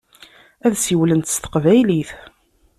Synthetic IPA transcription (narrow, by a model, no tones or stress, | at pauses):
æðsiwlənt̪st̪ə̥qvæjliθ